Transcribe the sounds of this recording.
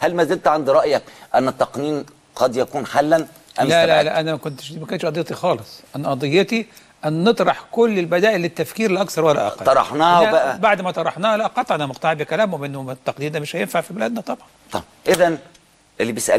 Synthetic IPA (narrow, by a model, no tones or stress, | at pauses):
hælmæzelt̪ʕand̪ɾˤɑʔjækʔænːɪt̪ːɑqniːn | qɑd̪jækuːnħalːæn | ʔælælælæʔænæmækont̪e̥ʃimækont̪ʃʔɑd̪ejɑt̪ixɑːlesˤʔænæʔɑd̪ˤejːɑt̪i | ʔænːet̪ˤɾˤɑħkolːelbæd̪æːʔelːet̪ːæfkiːɾelʔɑkθɑɾˤwælːæ̰ʔɑ̰tɑ̰lɑɾˤɑ̰ħnæhwbæʔæbaʕd̪mæt̪ˤɑɾˤɑħnæːhælæʔɑqːɑt̪ˤʔænæmoqt̪ɑʕbekælæːmomenːot̪ːɑqniːnd̪æmɪʃhæjenfaʕfibelæːd̪næt̪ˤɑbʕɑnt̪ˤɑbʔeðæn | ʔelːibejesʔæ̰l